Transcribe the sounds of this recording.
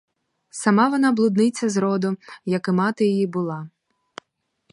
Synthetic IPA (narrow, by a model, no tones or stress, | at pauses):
sɐmɑʋɔnɑblˠʊd̪nɪt͡sʲːɐzɾɔd̪ʊjɐkɪmɑt̪ɪjɔjibʊlˠɑ